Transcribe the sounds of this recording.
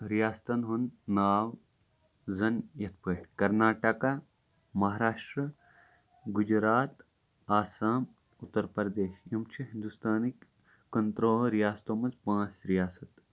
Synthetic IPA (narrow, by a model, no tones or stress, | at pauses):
ɾijaːst̪ɐnɦunːaːw | zɐnjɐt̪̚ʰpəːʈkɐɾnaːʈɐka | mɐɦaːɾaːʂʈɾɐ | ɡud͡ʒɾaːt̪ | aːsaːm | ut̪ːəɾpɐɾd̪eːʃimt͡ʃʰiɦind̪ust̪aːnikː | ɐnt̪ɾoːlɾijaːst̪oːmɐzpãːt͡sɾijaːsɐt̪